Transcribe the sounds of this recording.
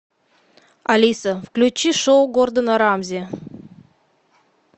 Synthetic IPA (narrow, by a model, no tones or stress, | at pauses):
ɐlʲisəfklʲʉt͡ɕːiʂoʊɡord̪ənɐɾamzʲɪ